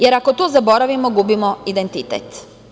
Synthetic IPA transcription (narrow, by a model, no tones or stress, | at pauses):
jeɾakot̪oːzabo̞ɾaʋimoɡubimoid̪ent̪it̪ḛt̪